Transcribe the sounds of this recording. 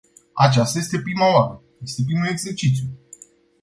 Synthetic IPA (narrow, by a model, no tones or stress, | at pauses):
at͡ʃast̪aje̞st̪e̞pɾimaoaɾəje̞st̪e̞p̬ɾimule̞ɡze̞rt͡ʃit̪sʲju